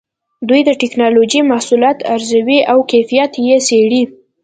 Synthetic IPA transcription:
d̪ujd̪əʈɪknɑlod͡ʒimahsuljɑt̪aɾzawiʔawkajfijat̪jeseɽi

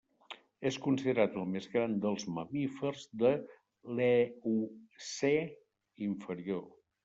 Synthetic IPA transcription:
eskunsiðəɾat̪əlˠmezɣɾand̪əlˠzməmifərzðə | leuse | iɱfəɾio

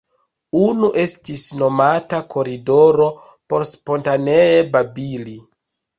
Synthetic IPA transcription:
unuʔe̞stisno̞matakʰo̞ɾido̞ɾo̞ | po̞ɾspo̞ntaneebabili

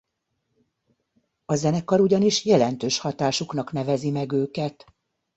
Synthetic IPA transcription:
ɒzɛnɛkːɒɾuɟɒniʃjɛlɛn̪t̪øːʃhɒt̪aːʃuknɒkn̪ɛvɛzimɛɡøːkɛt̪

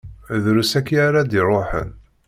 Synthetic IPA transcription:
ðɾusækːiaɾad̪iɾˤoħə̰n

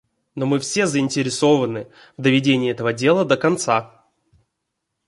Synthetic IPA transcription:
nomɨfsʲe̞zəɪnʲtʲɪɾʲɪso̞vənɨ | vd̪əvʲɪdʲenʲɪːɛt̪əvədʲe̞lˠəd̪əkɐnt̪sa

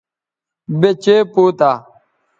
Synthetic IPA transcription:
bet͡ʃeːpoːt̪aː

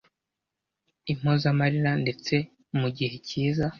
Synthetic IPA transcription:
im̥hozamaɾiɾande̞t͡se̞ | muɟihe̞ciːza

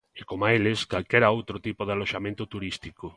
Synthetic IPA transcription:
ekomaelɪskalkeɾaowt̪ɾot̪ipoðaloʃamẽnt̪ʊt̪uɾist̪iko

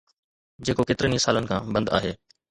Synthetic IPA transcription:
d͡ʑeːkokeːt̪ɪɾənisaːlənɪkʰã̰ːbɐ̃nd̪a̰ːɦeː

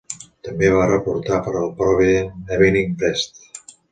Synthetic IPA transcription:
t̪əmbeβ̞arəpuɾt̪apəɾəlˠpɾɔβiðenɛβiniŋbɛst̪

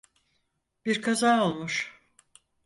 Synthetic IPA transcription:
b̥iɾkʰazaːolˠmuʃ

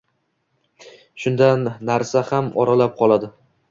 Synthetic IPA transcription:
ʃʊnd̪anːaɾsahamɒ̰ɾalap̚qʰɒlˠad̪ɪ

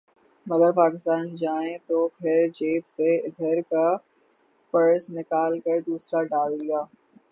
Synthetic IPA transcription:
mɐɡəɾpaːkɪst̪aːnd͡ʒaːẽt̪opʰɪɾd͡ʒeːpseɪd̪ʱəɾka | pɐɾəsnɪkaːlkɐɾd̪uːsɾaɖaːlɡijaː

